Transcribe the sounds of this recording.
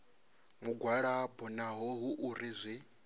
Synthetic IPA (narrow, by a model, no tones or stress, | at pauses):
muɡwaɺabɔnaɦɔɦuʔuɾizʷi